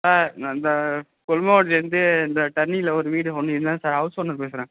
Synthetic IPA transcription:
saːɾɪnd̪ɐ | kɔlmɐoːʈɛɾnd̪ɯɪnd̪ɐʈ̪ɐnːilɐɔɾɯʋiːɽɯɔnːɯɪðɯnd̪ãːsaːɾɦɐʊspɐnːɐɾɯpeːsɪɾẽː

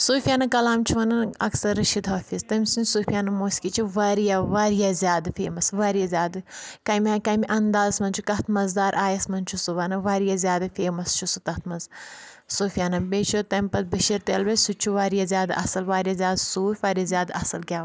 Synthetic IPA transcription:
suːfʲijaːnɐkɐlaːmt͡ʃʰuʋɐnɐnɐ̰ksɐɾʃid̪ʱɦoːfist̪ɐmʲsinʲsuːfijaːnɐmoːskit͡ʃʰiʋaːɾijaʋaːɾijazʲjaːd̪ɨfeːmɐsʋaːɾijazʲjaːd̪ɨkɐmʲakɐmʲiʔɐnd̪aːzsmɐnt͡ʃʰukɐt̪ʰmɐzd̪aːɾʔaːjɐsmɐnt͡ʃʰusuʋɐnɐʋaːɾijazʲjaːd̪ɐfeːmɐst͡ʃʰusut̪ɐt̪ʰmɐnz | suːfijaːnɐbeːt͡ʃʰut̪ɐmpɐt̪̚bɨʃiɾt̪elʋesut͡ʃʰuʋaːɾijazʲaːd̪ʔɐ̰sɐlʋaːɾjazʲjaːd̪suːfʲʋaːɾijɐzʲjaːd̪ɐsɐlɡʲaː

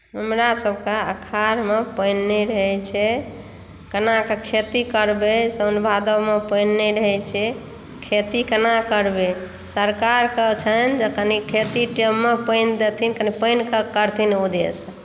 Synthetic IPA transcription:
ɦəmɾasəbʱkeəkʰaɾmepəɪnːeɾəɦɛt͡ʃʰɛ | kənakekʰet̪ikəɾbesənbʱad̪əmepənːeɾəɦɛt͡ʃʰɛ | kʰet̪ikənakəɾbe | səɾkaɾkət͡ʃʰənd͡ʒekənikʰet̪iʈemːepəɪnd̪et̪ʰinkənipəɪnkəkəɾt̪ʰinud̪es

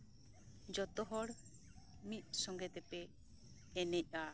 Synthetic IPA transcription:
d͡ʒɔt̪ɔɦɔɽ | mit̪̚ˀsɔŋɡɛt̪ɛpɛː | nɛc̚ˀa

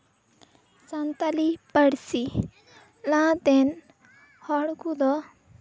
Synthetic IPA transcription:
sant̪alipəɽsi | lãt̪en | hɔɽkud̪ɔ

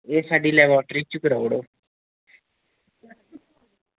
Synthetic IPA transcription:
esaːɖilɛʋɔːʈɾit͡ʃukɾaoɽoː

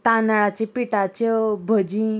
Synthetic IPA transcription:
t̪anaɭat͡ɕepiʈat͡ɕɔbʱəd͡ʑĩ

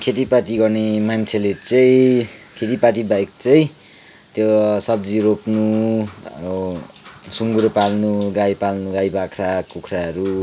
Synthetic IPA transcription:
kʰet̪ipat̪iɡʌrnemant͡sʰelet͡sʌĩkʰet̪̬ipat̪ibajk̚t͡sʌĩ | t̪josʌbd͡ziɾopnu | suŋɡuɾpalnuɡajpalnuɡajbakʰrakukʰraɦʌɾu

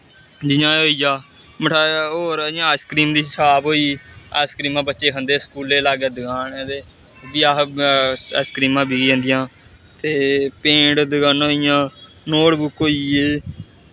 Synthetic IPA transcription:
d͡ʒɪjãːɦoːiːjaː | məʈʰaːoːɾəãːskɾiːmd̪iːsaːbɦoːiːa̰ːskɾiːmãːbətːʃeːkʰənd̪eːskuːleːlaːɡeːd̪əɡaːneːd̪eː | biaː | skɾiːmãːbiɡə̃ːnd̪ɪjãː | t̪eːpẽːɖd̪əɡaːnoːijãː | noːɽbʊkɦoːiːeː

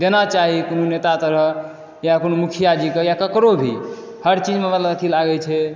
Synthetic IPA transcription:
d̪enat͡ʃaɦikononet̪at̪əɾəɦ | jakonomukʰijad͡ʒikəjakəkɾobʱi | həɾt͡ʃid͡ʒmemət̪ləbət̪ʰilaɡɛt͡ʃʰɛ

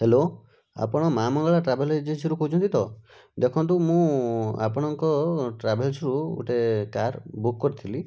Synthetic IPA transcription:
helo | a̰pɔɽ̃ɔmamɔŋɡɔɭaʈɾabeled͡ʒesʰiɾukoɦut͡ʃʰɔnt̪it̪ʰɔ | d̪ekʰɔnt̪umũa̰pɔɽ̃ɔŋkɔʈɾabelsʰɔɾuṵʈekaɾbukːɔɾit̪ʰili

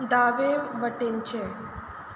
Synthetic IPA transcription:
d̪aːʋebəʈent͡ɕe

